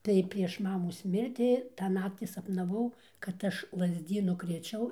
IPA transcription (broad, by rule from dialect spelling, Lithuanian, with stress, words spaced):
tɐɪ pʲrʲiɛʃ ˈmɑːmoːs ˈmʲɪrʲtʲɪ ˈtɑː ˈnɑːktʲɪ sɐpnɐˈʋɐʊ kɐt ˈɐʃ lˠɐzʲˈdʲiːnʊ krʲeːˈt͡ʃʲɛʊ